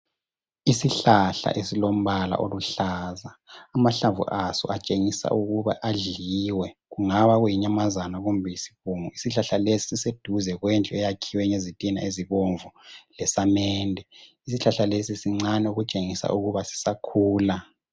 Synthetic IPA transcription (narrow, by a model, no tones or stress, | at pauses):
isiɬaɬa̰ʔesilom̩βala̰ʔoluɬaːzaːmaɬavṵʔasɔ̰ʔat͡ʃʼeŋisa̰ʔuɣuβa̰ʔaɮiwɛɣuŋaβaɣwujiɲamazanaɣumbʱɛjisi̥βuːŋuisiɬaɬalesi̥sised̥ʱuzɛɣwɛnt͡ɬʼɔɛjakʰiwɛɲezitʼina̰eziβoɱvulɛsamɛːndʱɛ | isiɬaɬalesisiŋ͡ǀanɛuɣut͡ʃʼeŋisa̰ʔuɣuβasi̥sakʰuːla